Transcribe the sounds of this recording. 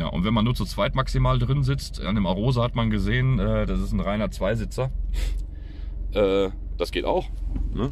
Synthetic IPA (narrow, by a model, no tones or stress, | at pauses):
ja̰ːʔʊ̰ntv̥ɛnmanːuːɐt͡sut͡sv̥aɪtmaksimaːldʁɪnzɪt͡sta̰ndeːmaʁ̞oːzəhatmanɡəzeːənʔɛːdasɪsn̩ʁaɪnɐt͡sv̥aɪzɪt͡sɐ | ʔɛː | d̥asɡ̥eːta̰ʊxnə